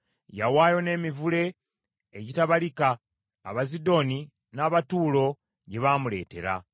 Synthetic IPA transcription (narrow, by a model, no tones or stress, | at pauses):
jawaːjo̞ne̞ːmivule̞ː | ɟitaβalika̰ː | βazido̞ːni | naːβatuːlo̞ | ɟe̞βaːmule̞ːte̞ɾa̰